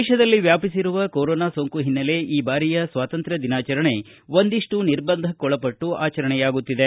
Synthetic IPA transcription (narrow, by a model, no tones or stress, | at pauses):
ʃɐd̪ɐlːiʋjaːpisiɾuʋɐkoːɾoːnaːsoːŋkuɦinːɐle̞ʔiːbaːɾijɐsʋaːt̪ɐnt̪ɾɐd̪inaːt͡ʃɐɾɐɳe̞ | ʋond̪iʂʈuniɾbɐnd̪ʱɐkɔɭɐpɐʈːuaːt͡ʃɐɾɐɳɛjaːɡut̪ːid̪e